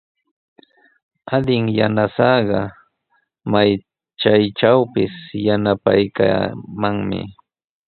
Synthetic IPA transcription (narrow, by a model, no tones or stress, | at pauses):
ad̪ɪŋjanasɑɢɑ | maj | t͡ʃajʈ͡ʂawpɪsjanapa̰jka̰maŋmɪ̰